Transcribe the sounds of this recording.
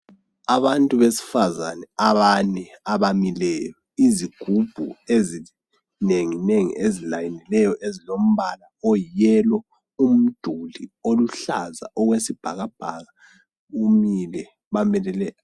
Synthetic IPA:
aβantʼuβesi̥fazanɛaβanɛaβamilɛjɔiziɡ̥ʱub̥ʱuezi | neŋineŋḭezilajinilɛjɔʔezilom̩βalaɔjjɛlɔ | um̩d̥ʱulioluɬaza̰ʔɔɣwesib̥ʱaɣab̥ʱaɣa | ɣumilɛ | βamɛlɛlɛ

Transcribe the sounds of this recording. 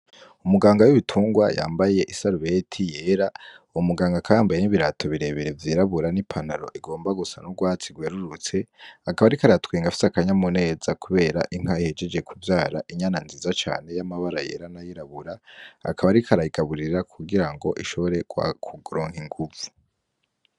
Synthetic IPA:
umuɡaːŋɡawuβitʰuːŋɡwaja̰ːmbaje̞ʔisaɾuβetʰije̞ɾaumuɡaːŋɡakʰajaːmbaje̞niβiɾatʰo̞βiɾe̞βeɾe̞vjiːɾaβuɾanipʰanaɾo̞̰ʔiɡo̞ːmbaɡusanuɡwaːt͡siɡweːɾuɾut͡se̞akaβaɾikaɾatkweːŋɡafi̥sakaɲamune̞ːzakuβe̞ːɾaʔiŋ̥haihe̞d͡ʒe̞d͡ʒe̞kʰuvjaːɾaʔiɲananziːzat͡ʃa̰ːne̞jamaβaɾaje̞̰ɾanajiɾaβuɾaa̰kʰaβaɾikʰaɾaiɡ̥aβuɾiɾakʰuɡiɾaŋɡo̞̰ʔiʃoβo̞ɾe̞̥wkʰuɡuɾoːŋhiŋɡuvu

